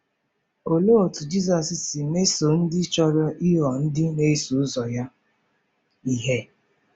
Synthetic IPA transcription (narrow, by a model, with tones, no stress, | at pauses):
o˨lo˦˨tu˨d͡ʒi˦zɔ˨ssɪ˨me˦so˨n̩˦dɪ˦t͡ʃɔ˦ɾɔ˦ʔi˦ɦɔ˨n̩˦dɪ˦ne˦su˨˦zɔ˨ja˦ | i˨ɦe˦